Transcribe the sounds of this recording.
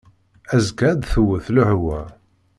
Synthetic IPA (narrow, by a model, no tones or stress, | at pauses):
æzkæɾd̪θəwːəθlʊhwæ